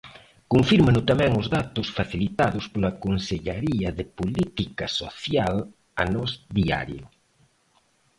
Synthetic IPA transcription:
koɱfiɾmanʊt̪amɛ̃ŋʊzðat̪ʊsfaθilit̪aðʊspolakonseʎaɾiɐðepolit̪ikaso̰θjal | a̰nɔzðia̰ɾjʊ̰

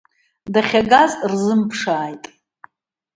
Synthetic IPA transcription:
daχʲaɡazrzɨmpʰʂaːjtʼ

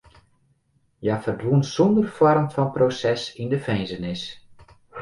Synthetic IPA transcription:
jafərdʋunsɔndərfɔrmfɔnprosɛsindəfɛjnzənɪs

